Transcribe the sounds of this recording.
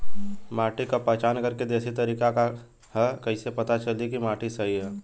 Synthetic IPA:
maːʈikapɛɦt͡ʃaːnkɐɾked̪eːsit̪ɐɾiːkaka | hɛkɐisepɐt̪at͡ʃɐlikimaːʈʰisɐɦiɦɛː

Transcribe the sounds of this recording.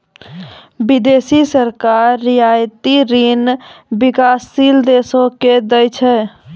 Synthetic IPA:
bid̪esisəɾkaɾːijajt̪iɾinbikasːild̪esoked̪əjt͡ʃʰɛ

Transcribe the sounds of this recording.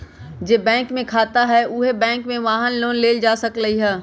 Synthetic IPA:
d͡ʒeːbɛ̃ːŋkmẽkʰaːt̪aɦɛʔʊɦebɛ̃ːŋkmẽʋaːɦənloːnleːld͡ʒaːsɐkləɦiɦɛː

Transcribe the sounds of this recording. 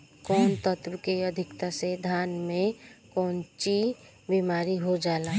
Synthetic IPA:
kɔːnt̪ət̪wkeəd̪ʱɪkt̪ased̪ʱaːnmẽkɔːnt͡ʃi | bimaːɾiɦod͡ʒaːlaː

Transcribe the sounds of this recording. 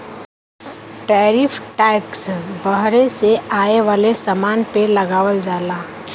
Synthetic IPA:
ʈɛːɾiːpʰʈɛːksbəɦɾẽseaːeʋaːlesamaːnpelɐɡaːʋəld͡ʒaːlaː

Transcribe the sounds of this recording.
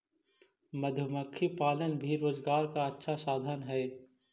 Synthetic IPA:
məd̪ʱjəməkʰːipaːlənbʱiɾoːzɡaːɾkaɐtːʃʰasaːd̪ʱənɦɛː

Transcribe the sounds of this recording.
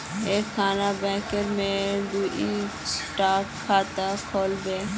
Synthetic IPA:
eːkʰːaːnabɛ̃ːkəɾmẽd̪uːʔi | sʈaːkkʰːaːt̪akʰoːlbeː

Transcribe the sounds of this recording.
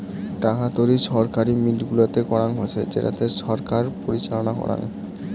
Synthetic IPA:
ʈakat̪oɾiʃɔɾkaɾimiʈɡulat̪ekɔɾaŋɦot͡ɕʰed͡ʑḛʈa̰t̪eʃɔɾkaɾpoɾit͡ɕalonakɔ̰ɾa̰n

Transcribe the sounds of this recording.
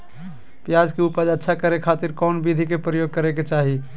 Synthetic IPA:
pjad͡ʒkeupəd͡ʒətːʃʰakəɾekʰaːt̪iɾkɔːnbid̪ʱikepɾəjoːɡ̚kəɾeket͡ʃaːɦi

